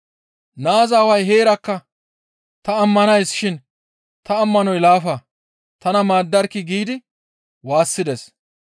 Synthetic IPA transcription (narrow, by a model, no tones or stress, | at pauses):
naːzaːwɐjɦe̞ːɾɐkːɐ | t̪ɐːmːɐnɐjsʃɪn | t̪ɐːmːɐnɔjlaːfɐ | t̪ɐnɐmaːd̪ːɐɾkːɪɡiːd̪ɪ | waːsːɪd̪ɛs